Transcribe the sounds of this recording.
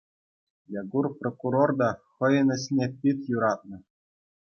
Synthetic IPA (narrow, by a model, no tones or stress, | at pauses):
jɑɡurprokuɾord̪ɑχɤ̆jɤ̆nɘ̆ɕnʲepʲit̪juɾɑt̪̚nɤ̆